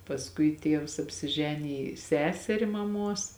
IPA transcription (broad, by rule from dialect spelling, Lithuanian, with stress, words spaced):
pɐsˈkʊɪ ˈtʲiɛws ɐpʲsʲɪˈʒʲæːnʲɪjɪ ˈsʲæːsʲɛrʲɪ mɐˈmuɔs